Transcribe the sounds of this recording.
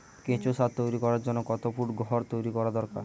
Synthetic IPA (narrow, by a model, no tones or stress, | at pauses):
kẽt͡ʃosat̪t̪ːojɾikɔɾaɾd͡ʒɔnːɔkɔt̪opuʈɡɔɦɔɾt̪ojɾikɔɾad̪ɔɾka̰ɾ